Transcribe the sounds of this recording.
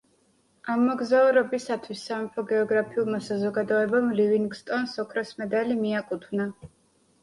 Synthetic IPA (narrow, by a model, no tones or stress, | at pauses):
amːɔɡzauɾɔbisat̪ʰwisːamimpʰɔɡɛɔɡɾapʰiulˠmasazɔɡad̪ɔɛbamliviŋɡst̪ʼɔnsɔkʰɾɔsmɛd̪alimiakʼut̪ʰwvna